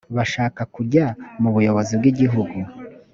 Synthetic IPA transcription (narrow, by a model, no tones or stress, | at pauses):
βaʃaːkakuɟamuβujo̞βo̞zibɡiɟiɦuɡu